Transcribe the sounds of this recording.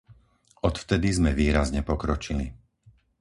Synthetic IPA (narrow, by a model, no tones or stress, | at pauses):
ɔt̪ft̪ɛd̪izmɛʋiːɾazɲɛpɔkɾɔt͡ʃili